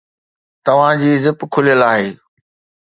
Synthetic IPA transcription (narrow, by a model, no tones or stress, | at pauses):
t̪ɐʋ̤ãd͡ʑiːzɪpkʰʊlijəlaːɦeː